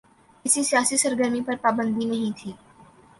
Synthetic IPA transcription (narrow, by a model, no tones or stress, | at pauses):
kɪsisijaːsisɐɾɡəɾmipɐɾpaːbə̃nd̪inɐɦĩt̪ʰiː